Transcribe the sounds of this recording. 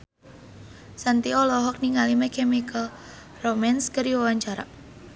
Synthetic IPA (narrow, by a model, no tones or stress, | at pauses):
sant̪iɔlɔɦɔk̚niŋalimekʰemikəl | romanskəɾiwwaɲt͡ʃaɾa̰